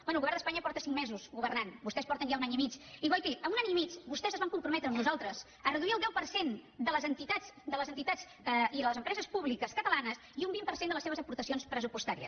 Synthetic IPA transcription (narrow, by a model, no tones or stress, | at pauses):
bɛnulɣuβɛrnd̪əspaɲəpɔɾt̪əsiŋmɛzuzɣuβərnanbust̪ɛspɔɾt̪ənʒaunaɲimit͡ʃiβɔjkiəunaɲimit͡ʃbust̪ɛzəzβaŋkumpɾumɛt̪ɾəːmnuzalˠt̪ɾəz | ərəðuiəlˠd̪ɛwpəɾsend̪ələzənt̪it̪asd̪ələzənt̪it̪at͡s | əiðələzəmpɾɛzəspuβlikəskət̪əlanəsiumbimpəɾsend̪ələseβəzəpuɾt̪əsionspɾəsupust̪aɾiə̰s